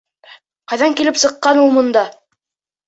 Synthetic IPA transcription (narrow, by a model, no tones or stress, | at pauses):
qɑjðɑŋkilɘpsɤ̆qːɑnulˠmŏnd̪ɑ